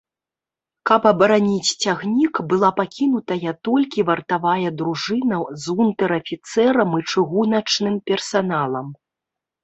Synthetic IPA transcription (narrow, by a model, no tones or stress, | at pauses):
kɐpɐbɐɾanʲit͡sʲt͡sʲaɣnʲikbɨlˠapakʲinut̪ɐjɐt̪ɔlʲkʲivɐrt̪avajɐd̪ɾuʐɨnɐzunt̪ɛɾɐfʲit̪sɛɾɐmɨt͡ʂɨɣunɐt͡ʂnɨmpʲɛrsanalˠɐm